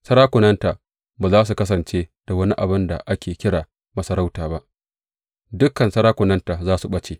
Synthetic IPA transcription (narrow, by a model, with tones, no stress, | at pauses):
sɐ˦ɾaː˦kʷʊ˨nɐ˦nta˨ | baː˨zaː˦s̬u˨kɐ˦s̬ɐ˨nt͡ʃeː˦d̥a˨wɐ˦ni˦ʔa˨bɪ˦nda̰˨ʔa˦kʲeː˨kʲɪ˦ɽaː˨ | mɐ˨sɐ˨ɾa˦wtaː˨ba˦ʔ | dʊ˦kɐ˨nsɐ˦ɾaː˦kʷʊ˨nɐ˦nta˨zaː˦su˨ɓɐ˦t͡ʃeː˨